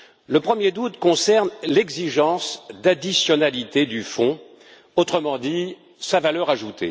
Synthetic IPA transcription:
ləpχəmjed̪ut̪kɔ̃sɛʁnlɛɡziʒɑ̃sd̪ad̪isjɔnalit̪ed̪yfɔ̃ | ot̪χəmɑ̃d̪i | savalœʁaʒut̪ʰḛ

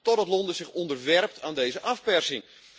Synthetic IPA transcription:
tɔdɑtlɔndəsɪxɔndərʋɛrp̚taːndeːzəʔafpɛrsɪŋ

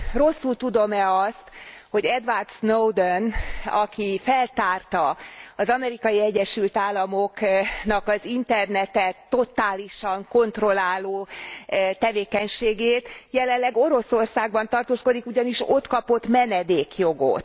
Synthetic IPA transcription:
ro̞sːult̪ud̪o̞mɛɒst̪ho̞ɟɛd̪ʋart̪snowd̪onɒ̰kifɛlt̪aːrt̪ɒɒzɒmɛɾikɒjiɛɟːɛʃylt̪aːlːɒmo̞knɒkɒzint̪ɛrnɛt̪ɛt̪ːo̞t̪aːliʃɒŋko̞nt̪ro̞laːloː | t̪ɛveːkɛɲʃeːɡeːt̪jɛlɛnlːɛɡo̞ɾo̞so̞rsaːɡ̚bɒnt̪ɒrt̪oːsko̞d̪ikuɟɒniʃo̞t̪kɒpo̞t̪mɛnɛd̪eːkjo̞ɡo̞̰t̪

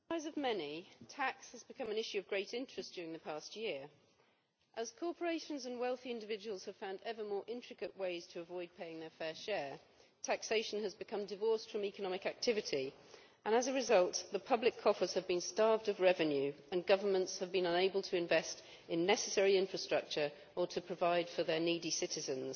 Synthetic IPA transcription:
aɪzəvmɛnitʰækshəzbɨkʰʌ̃mə̃nɪʃʉʌvɡɹeɪtɪ̃nt͡ʃɹ̥ɨsd̥ʊːɹɪ̃ŋðəpʰæˑst̚jɪəɹ | ʔəz̥kʰɔɹpʰə˞eɪʃə̃nzə̃nwɛlˠθiɪ̃ndɨvɪd͡ʒəwəlˠz̥əv̥fãʊ̃ndɛvəmɔːɹʔɪ̃nt͡ʃɹ̥ɨkɨʔweɪz̥tʰəːvɔɪd̚pʰeɪɪ̃ŋðə˞fɛːʃɛɹ | tʰækseɪʃə̃n̩əzbɨkʰʌ̃mdɨvɔˑɹstfɹə̃mikənɒmɪkak̚tʰɪvɨtʰi | ʔə̃nəzəɹɪzʌlˠtðəpʰʌblɪkʰɒfə˞z̥əvbĩnstɑɹvdəvɹɛvɨ̃njʉ | ə̃nɡʌvəmə̃ntshəvbĩnʌ̃neɪbəlˠtʰəɪ̃ɱvɛst | ɪ̃nːɛsəsɛɹiɪ̃ɱfɹəstɹ̥ʌk̚t͡ʃə˞ | ətʰəpʰɹ̥əvaɪd̥fəðə˞nidisɪtɪzə̃nz̥

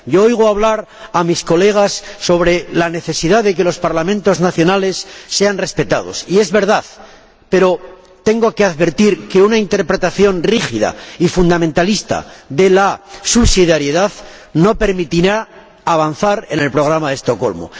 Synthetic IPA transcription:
ɟ͡ʝoojɣoaβ̞laɾ | amisko̞le̞ɣ̞asːo̞β̞ɾe̞lane̞θe̞siðaððe̞k̬e̞lo̞spaɾlamẽnt̪o̞znaθjo̞nale̞sːe̞anre̞spe̞t̪að̞o̞̰sie̞zβe̞ɾðað | pe̞ɾo̞ | t̪e̞ŋɡoke̞aðβe̞ɾt̪iɾke̞unaint̪e̞ɾpɾe̞t̪aθjo̞nrixiða̰ifund̪amẽnt̪alist̪a̰ðe̞lasuβsiðjaɾjeðaðno̞pe̞ɾmit̪iɾaː | βanθaɾe̞ne̞lpɾo̞ɣ̞ɾamaðe̞st̪o̞ko̞̰lmo̰

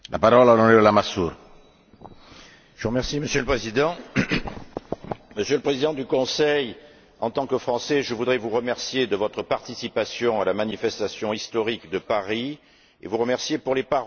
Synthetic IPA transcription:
lʔapaʁɔlalɔleəlamasuʁ | ʒ̥əvuʁəmɛʁsiməsjøləpχezid̪ɑ̃ | məsjələpχezid̪ɑ̃d̪ykɔ̃sɛj | ɑ̃t̪ɑ̃kəfχɑ̃sɛʒəvud̪ʁɛvuʁəmɛʁsjed̪əvɔt̪χəpaʁt̪isipasjɔ̃alamanifɛst̪asjɔ̃ist̪ɔʁikd̪əpaʁi | ḛvuʁəmɛʁsjepuʁlepa

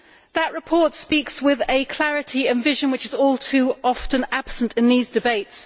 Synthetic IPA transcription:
ðəʔɹɪpʰɔˑtspiˑkswɪðəkʰl̥æɹɪtʰiə̃nvɪʒə̃nwɪt͡ʃɪzɔːlˠtʰʉːɒftə̃nab̥sə̃ntʰɪ̃nðiːzdɨbeɪts

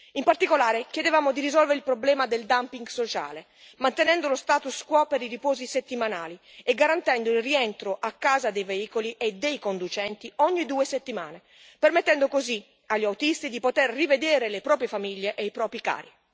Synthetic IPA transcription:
impart̪ikolaːɾekjed̪evaːmod̪iɾizɔlveɾilpɾoblɛːmad̪eld̪ampiŋɡsot͡ʃa̰ːle | mant̪enɛnd̪olost̪aːt̪uskwɔpeɾiɾipɔːziset̪ːimana̰ːlieɡːaɾant̪ɛnd̪oilriɛnt̪ɾoʔakːaːzad̪ejveiːkoliʔed̪ejkond̪ut͡ʃɛnt̪iɔɲːid̪uːeset̪ːima̰ːne | permet̪ːɛnd̪okozi | aʎːiawt̪ist̪id̪ipot̪erːived̪ɛːɾelepɾɔːpɾjefamiʎːeʔeijpɾɔːpɾika̰ːɾi

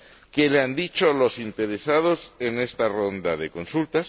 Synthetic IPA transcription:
keleand̪it͡ʃo̞lo̞sint̪e̞ɾesað̞o̞se̞ne̞st̪aro̞nd̪aðe̞ko̞nsult̪as

